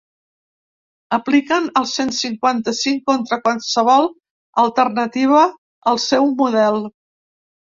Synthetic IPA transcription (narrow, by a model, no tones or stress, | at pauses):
əplikənəlˠsensiŋkwant̪əsiŋkont̪ɾəkwansəβ̞ɔlˠ | əlˠt̪ərnət̪iβ̞əː | lˠsɛwmuðɛlˠ